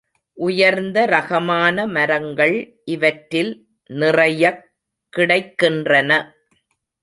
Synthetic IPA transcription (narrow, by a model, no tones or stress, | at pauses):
ʔʊjɐɾnd̪ɐɾɐɣɐmaːnɐmɐɾɐŋɡɐɭ | ʔɪʋɐʈɾɪl | nɪrɐjɐkː | ɪɽɐɪkːɪndrɐnɐ